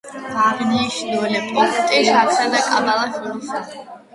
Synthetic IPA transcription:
aːʁniʃd̪ɔɛlɛpʼqʼɔt̪ʼiʃat̪sʰad̪akʼa̰balˠaʃuɾsa

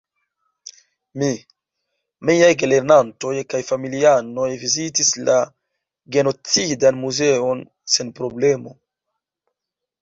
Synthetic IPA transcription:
mi | miajɡeleɾnanto̞jkajfamiliano̞jvizitisla | ɡe̞no̞t͡sidanmuzeo̞n | se̞npɾo̞ble̞mo̞

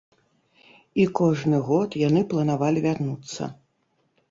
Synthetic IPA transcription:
ikɔʐnɨɣɔt̪janɨplˠɐnavalʲivʲarnut̪sːɐ̰

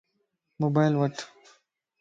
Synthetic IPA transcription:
moːbaːjlwɐʈʰ

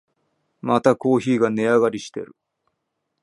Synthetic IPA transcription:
mat̪ako̞ːçiːɡane̞aɡaɾʲiɕi̥t̪e̞̰ɾɯ̟̰

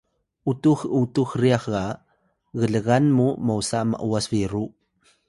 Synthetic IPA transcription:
ʔutuxutuxriaxa | ɣəɮəɣanmumawsama̰ʔuasviɾu

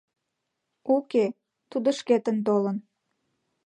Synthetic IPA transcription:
uke | t̪ud̪əʃket̪ənt̪̬olən

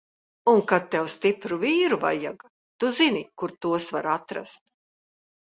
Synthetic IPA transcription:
uŋkat̪̚t̪ːɛwst̪ipɾuviːɾuva̰ja̰ɡa | t̪uzinikuɾt̪uɔsvaɾat̪ɾa̰st̪̚

